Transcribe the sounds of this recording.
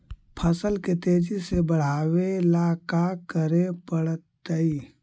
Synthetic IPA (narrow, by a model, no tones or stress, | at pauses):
pʰəsəlket̪eːd͡ʒisebəɽ̤aːwelakakəɾepəɽət̪ːəi